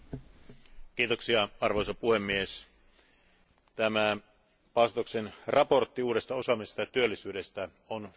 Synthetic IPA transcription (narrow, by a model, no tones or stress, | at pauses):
k̟iːt̪o̞ksiɑɑrʋo̞jsɑpuhe̞mːies | t̪æmæ | pɑˑst̪okse̞nrʔɑpo̞rt̪ːiuːde̞st̪ɑo̞sɑmest̪ɑjɑt̪yølːisyːde̞st̪æ | on